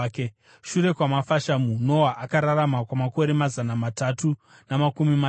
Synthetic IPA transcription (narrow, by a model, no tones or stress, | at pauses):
ke | ʃuɾe̞kwamafaʃamuno̞waʔakaɾaɾamakwamako̞ɾemazanamatatu | namakumima